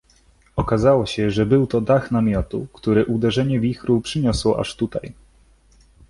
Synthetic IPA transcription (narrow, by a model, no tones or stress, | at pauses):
ɔkazawɔɕɛʐɛbɘwt̪ɔd̪axnamʲjɔt̪ṵkt̪uɾɘʔud̪ɛʐɛɲɛvʲixɾupʂɘɲɔswɔʔa̰ʂt̪ut̪a̰j